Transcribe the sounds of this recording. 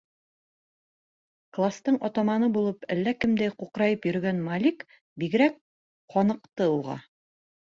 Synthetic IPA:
klˠast̪ɤɴʔɒt̪ɑmɑnɤbulˠɤpælːækɘmd̪æjquqɾɑjɤpjɵ̆ɾ̆ɡænmalʲik | biɡɘ̆ɾæk̚ | qɒnɤ̆qt̪ɤuʁɑ̰

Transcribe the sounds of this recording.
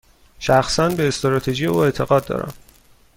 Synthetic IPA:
ʃæxsænbe̞ːst̪ɾɒːt̪ʰe̞ʒijeuːe̞t̪ʰe̞ɣɒːd̪̚ːɒ̰ːɾæ̰m

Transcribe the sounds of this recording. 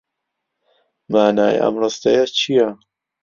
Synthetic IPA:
maːnaːj̰ɐ̰mrɑst̪ɐjat͡ʃʰijɐ

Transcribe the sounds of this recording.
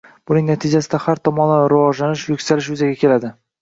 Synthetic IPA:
b̥ʊnɪŋnat̪ʰɪd͡ʒasɪd̪ahaɾt̪ʰɒmɒnaɾʊvɒʒlanɪʃjʊkʲsalɪʃjʊzaɡʲakʲʰe̞lad̪ɪ

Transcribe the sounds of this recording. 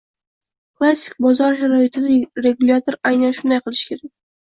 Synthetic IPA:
kʰlˠasʲːɪ̥k̚ʲbɒzɒɾʃaɾɒɪt̪ʰɪd̪aɾe̞ɡulʲat̪ʰoɾajnanʃʊnd̪ajqʰɨlˠɪʃɪ̥kʲʰe̞ɾak̚ʲ

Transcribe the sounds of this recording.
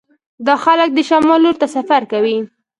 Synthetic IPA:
d̪ɑxalək̚d̪əʃamɑlːoɾt̪asafaɾkawi

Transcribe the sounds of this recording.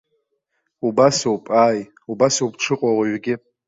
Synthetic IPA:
ubasowpʼaːj | ubasowpʈ͡ʂʰɨqʷʼawaɥɡʲɪ

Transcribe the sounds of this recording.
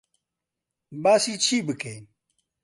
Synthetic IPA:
baːsiːt͡ɕʰiːbɨkejn

